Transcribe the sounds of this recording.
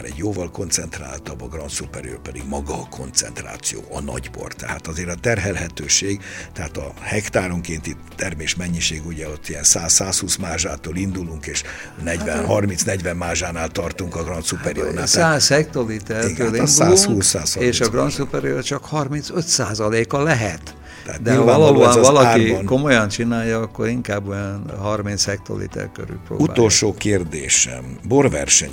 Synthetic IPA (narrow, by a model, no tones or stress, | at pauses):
ɾɛ̰ɟjoːvɒlko̞nt̪sɛnt̪ra̰ːlt̪ɒbɒɡrɒnt̪supɛɾjø̰ːpɛd̪ḭɡmɒɡɒkʰo̞̰nt̪sɛ̰nt̪ra̰ːt̪sijo̰ːɒnɒ̰ɟbo̞̰rt̪ːɛhaːt̪ɒzeːɾɒt̪ɛrɦɛlɦɛt̪øːʃeːɡt̪ɛɦaːt̪ɒ̰hɛkt̪aːɾo̞ŋkeːnt̪it̪ːɛrmeːʃmɛɲːiʃeːɡuɟɛo̞t̪ːijɛnsaːsːaːshuːsmaːʒaːt̪oːlind̪uluŋkeːʃnɛɟʋɛnɦɒrminsnɛɟvɛmmaːʒaːnaːlt̪ɒrt̪uŋkɒɡrɒnt̪supɛɾḭo̰nasaːshɛk̚t̪olit̪ɛrt̪øːlid̪ualuŋhkuːsːaːseːʃɒɡrɒnt̪supɛɾio̰rt͡ʃɒkhɒrminsøt̪saːzɒleːkɒlɛɦɛt̪ː | ɛat̪d̪ɛɦɒloɔvɒlɒkːinko̞mo̞jɒnt͡ʃinaːjɒɒkːo̞ɾiŋkaːbːojɒnɦɒrminshɛk̚t̪o̰lḭt̪ɛ̰rkø̰ɾy̰pro̰ːuba̰ːolʃoːkeːrd̪ḛːʃɛ̰mborvɛ̰rʃɛɲ